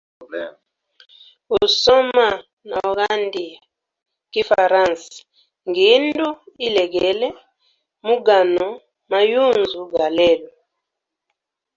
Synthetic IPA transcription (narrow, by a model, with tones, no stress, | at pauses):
u˨sɔ˦ma˦˨ | na˨ɣa˦ndi˨a˨ | ki˦fa˨ɾã˦˨ns | ŋɡi˨˦ndu˦i˦lɛ˨ɡɛ˨lɛ˦ | mu˦ɡa˨nɔ˨ | ma˨ju˦˨nzu˨ɡa˨lɛ˦˨lu˨